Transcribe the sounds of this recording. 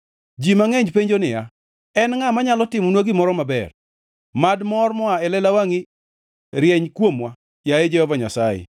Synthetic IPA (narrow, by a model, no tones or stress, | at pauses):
d͡ʒimaŋɛɲd͡ʒpeɲd͡ʒonɪja | ɛnŋamaɲalɔtɪmɔnwaɡɪmɔɾɔmabɛ̰r | madmɔrmɔaɛlɛlawaŋi | ɾjɛɲkwomwa | jaɛd͡ʒɛɔvaɲa̰sajɪ̰